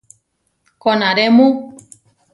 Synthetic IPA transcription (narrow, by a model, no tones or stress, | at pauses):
konãɾemũ